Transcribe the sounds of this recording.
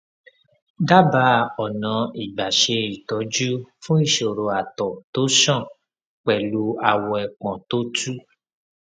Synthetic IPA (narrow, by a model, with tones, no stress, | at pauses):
da˦ba˧˦ɔ˨nã˨˦i˨ɡ͡ba˨ʃe˧i˨tɔ˨˦d͡ʒu˦fũ˦i˦˨ʃo˨ɾo˨a˨tɔ˨to˨˦ʃɔ̃˦˨ | k͡pɛ˨lu˦a˧˨wɔ˧ɛ˨k͡pɔ̃˨to˦tu˦